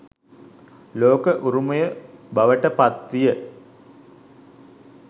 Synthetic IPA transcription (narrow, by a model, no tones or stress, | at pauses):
loːkəʔuɾumɐjəbaʋəʈəpat̪ʋijə